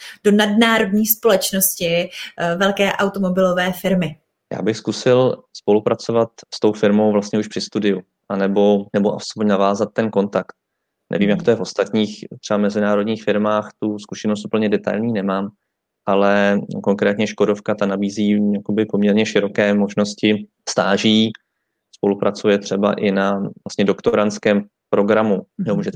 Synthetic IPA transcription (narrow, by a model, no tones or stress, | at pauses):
d̥onadnaːɾo̞dɲiːspo̞lɛt͡ʃnoscɪvɛlkɛːʔawt̪omo̞bɪlovɛːfɪɾmɪ | ja̰ːbɪxskusɪlspo̞lupɾat͡so̞vat̪st̪o̞wfɪɾmo̞wvlast̪ɲɛuʃpr̥ɪst̪udɪju | ʔanɛbo̞nɛbo̞ʔaspoɲnavaːzat̪ːɛnko̞nt̪akt̪̚ | nɛ̰viːmjakt̪ojɛfo̞st̪at̪ɲiːxt̪r̥ɛbavmɛzɪnaːɾo̞dɲiːxfɪɾmaːxt̪uskuʃɛnost̪up̩ɲɛdɛt̪a̰jlɲiːnɛmaːm | ʔalɛko̞ŋkɾɛːt̪ɲɛʃko̞do̞fkat̪anabiːziːjakobɪpo̞mɲɛɾɲɛʃɪɾo̞kɛːmo̞ʒno̞scɪ | st̪aːʒiː | spo̞lupɾat͡sujɛt̪r̝̥ɛba̰ʔɪnavlast̪ɲɛdokt̪oɾant͡skɛːm | pɾo̞ɡɾamujɛɦmuːʒɛt̪